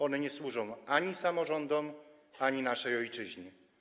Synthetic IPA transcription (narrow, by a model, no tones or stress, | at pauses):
ɔnɛɲɛswuʐɔ̃w̃aɲisamɔʐɔnd̪ɔm | aɲinaʂɛjɔjt͡ʂɘʑɲi